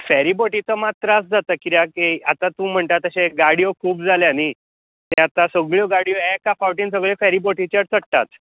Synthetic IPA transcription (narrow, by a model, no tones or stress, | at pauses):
fɛɾiboʈit͡səmat̪ɾasd͡zat̪əkiɾjakeat̪at̪ũːm̤əɳt̪at̪əɕeɡaɽijokʰuːp̚d͡zaljani | t̪ẽat̪asəɡɭjoɡaɽijoɛkafawʈiːnsəɡɭjɔfɛɾiboʈit͡ɕət͡sʰəʈt̪at̪